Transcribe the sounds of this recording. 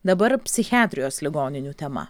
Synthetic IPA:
d̪ɐbɐɾpʲsʲɪxʲɪæːt̪ʲɾʲɪjoːslʲɪɡoːnʲɪnʲuːt̪ʲɛmɐ̰

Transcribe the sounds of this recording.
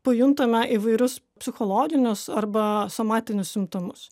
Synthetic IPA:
pɐjʊnt̪ɐmʲɛʔiːʋɐɪɾʲʊs | pʲsʲɪxoːlˠoːɡʲɪnʲʊsɐɾbɐsomɑːt̪ʲɪnʲʊssʲɪmt̪omʊs

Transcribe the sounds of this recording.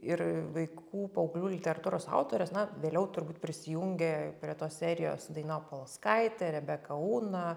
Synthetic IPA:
ɪrʋɐɪkuːpɐʊɡlʲuːlʲɪt̪ʲɛɾɐt̪uːɾoːsɑ̰ʊt̪oːɾʲɛsnɐʋʲeːlʲɛʊt̪ʊɾbuːt̪̚pʲɾʲɪsʲɪjuŋʲɡʲepʲɾʲiɛt̪oːssʲæːɾʲɪjo̰ːsd̪ɐɪnɑːpolˠɐskɐɪt̪ʲɛɾʲɛbʲɛkɐuːnɐ

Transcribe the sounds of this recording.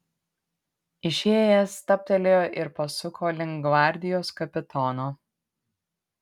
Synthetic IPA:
ɪʃʲeːjɛst̪ɐp̚ʲt̪ʲɛlʲejoːʔɪɾpɐsʊkʰoːlʲɪŋɡʋɑːˑɾʲd̪ʲɪjoːskɐpʲɪt̪ɔːnoː

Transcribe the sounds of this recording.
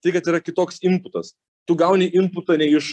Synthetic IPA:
t̪ɐɪkɐt̪iːɾɐkʲɪt̪oːksɪmpʊt̪ɐs | t̪ʊɡɐʊnʲɛʔɪmpʊt̪ɐnʲɛɪɪʃ

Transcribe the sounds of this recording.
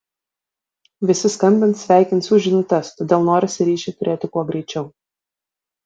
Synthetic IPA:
ʋʲɪsʲɪskɐmʲbʲɪnt̪sʲʋʲæˑɪkʲɪnt̪suːʒʲɪnʊt̪ʲɛst̪oːd̪ʲeːlˠnoːɾʲɪsʲɪɾʲiːʃʲɛt̪ʊɾʲeːt̪ʲɪkuɔɡɾʲɛɪt͡ʃʲɛʊ

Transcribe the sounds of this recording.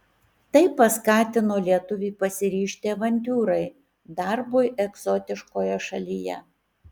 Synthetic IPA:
t̪ɐɪpːɐskɑːt̪ʲɪnoːlʲiɛt̪ʊʋʲiːpɐsʲɪɾʲiːʃʲt̪ʲeːʋɐnʲt̪ʲuːɾɐɪ | d̪ɑɾbʊɪʔɛɡzoːt̪ʲɪʃkoːjɛʃɐlʲijɛ̰

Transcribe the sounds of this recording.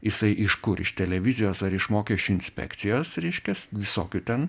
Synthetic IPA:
jɪsɐɪʔɪʃkʊɾɪ̰ʃt̪ʲɛlʲɛʋʲɪzʲɪjoːsɐɾɪʃmoːkʲɛʃʲt͡ʃʲuːɪnʲsʲpʲɛ̰ːkt̪sʲɪjoːsɾʲɛɪʃʲkʲɛsʋʲɪso̰ːkʲut̪ʲɛn

